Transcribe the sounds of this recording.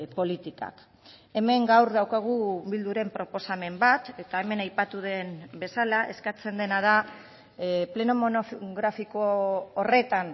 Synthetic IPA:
po̞lit̪ika̰k | e̞me̞ŋɡawɾðawkaɣ̞uβild̪uɾe̞mpɾo̞po̞same̞mbat̪e̞t̪ae̞me̞najpat̪uð̞e̞mbe̞salaʔe̞skat͡se̞nd̪e̞naða | ple̞no̞mo̞nofɣɾafikoːre̞t̪an

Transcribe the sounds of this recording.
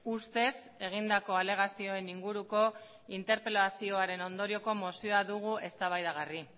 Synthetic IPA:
ust̪e̞s | e̞ɣ̞ind̪ako̞ale̞ɣ̞asio̞e̞niŋɡuɾuko̞ | int̪e̞ɾpelasio̞aɾe̞no̞nd̪o̞ɾio̞ko̞mo̞sio̞aðuɣ̞ue̞st̪aβajðaɣ̞ari

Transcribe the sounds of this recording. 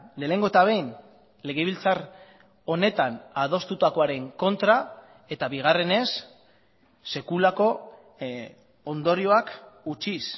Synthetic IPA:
le̞ːne̞ŋɡoet̪aβ̞e̞jn | le̞ɣ̞eβilt͡sar | o̞ne̞t̪anað̞o̞st̪ut̪ako̞aɾe̞ŋko̞nt̪ɾa | e̞t̪aβiɣ̞are̞ne̞s | e̞kulako̞ | nd̪o̞ɾio̞akut͡ʃis

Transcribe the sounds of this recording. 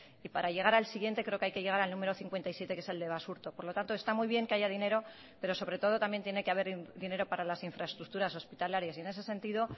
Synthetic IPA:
ipaɾaʝe̞ɣ̞aɾalsiɣje̞nt̪ekɾeo̞keajkeʝe̞ɣ̞aɾalnũme̞ɾo̞θiŋkwe̞naijsje̞t̪ekese̞ld̪e̞βasuɾt̪o̞po̞ɾlo̞t̪ant̪o̞e̞st̪amujβje̞ŋkeaʝaðine̞ɾo̞ | pe̞ɾo̞so̞βɾe̞t̪o̞ð̞o̞t̪amjent̪jene̞keaβe̞ɾðine̞ɾo̞paɾalasiɱfɾaest̪ɾuk̚t̪uɾaso̞spit̪alaɾjasje̞ne̞se̞se̞nt̪iðo̞

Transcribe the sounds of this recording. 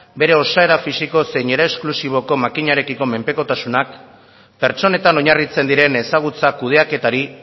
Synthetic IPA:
be̞ɾe̞osae̞ɾafisiko̞se̞jɲe̞ɾaesklusiβ̞o̞ko̞makiɲaɾe̞kiko̞me̞mpe̞ko̞t̪asunak | pe̞ɾt͡ʃo̞ne̞t̪ano̞ɲarit͡se̞nd̪iɾe̞ne̞saɣ̞ut͡sakuð̞e̞ake̞t̪aɾi

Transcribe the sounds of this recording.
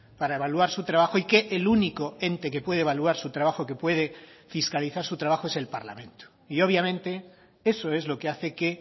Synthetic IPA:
paɾaeβalwaɾsut̪ɾaβaxoikeʔːluniko̞e̞nt̪e̞ke̞pwe̞ð̞eβalwaɾsut̪ɾaβaxokepwe̞ð̞e̞fiskaliθaɾsut̪ɾaβ̞axoe̞se̞lpaɾla̰mẽ̞nt̪o̥ | io̞β̞jamẽ̞nt̪e̞ | e̞so̞e̞zlo̞keaθe̞ke̞

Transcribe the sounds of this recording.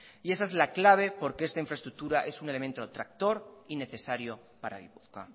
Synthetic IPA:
ie̞saezlaklaβ̞e̞po̞ɾkee̞st̪aiɱfɾaest̪ɾuk̚t̪uɾaʔe̞sune̞le̞ment̪ot̪ɾak̚t̪o̞ɾine̞θe̞saɾjo | paɾa̰iβuθka̰

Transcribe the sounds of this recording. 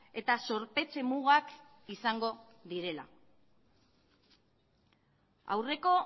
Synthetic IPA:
e̞t̪aso̞ɾpe̞t͡se̞muɣak | isaŋɡo̞ | ðiɾe̞la̰ | a̰wre̞ko̞

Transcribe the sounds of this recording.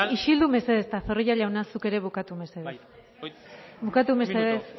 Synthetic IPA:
iʃild̪ume̞se̞ðe̞st̪aθoriʎaʎawnasuke̞ɾe̞βukat̪umeseðs | bukat̪umeseðes

